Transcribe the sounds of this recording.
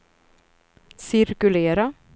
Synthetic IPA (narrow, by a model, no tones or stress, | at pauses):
sɪɾkʉleːɾa